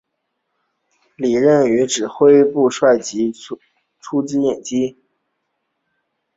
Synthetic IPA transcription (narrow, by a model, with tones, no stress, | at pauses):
li˨˩ɻə˥˩ny˧˥ʈ͡ʂɻ̩˨˩xwe˥ɪpu˥˧ʂwa˥˩ɪt͡ɕi˧˥ | ʈ͡ʂʰu˥t͡sɹ̩˥jɛ˨˩nt͡ɕi˥